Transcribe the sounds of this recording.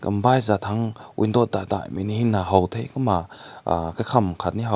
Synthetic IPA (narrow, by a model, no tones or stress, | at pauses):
kɐmbajzat̪ʰaŋʔṵjndɔt̚d̪ad̪a̰jminihinːaɦɔwt̪ʰejkama̰kakʰɐmkʰat̪̚niɦa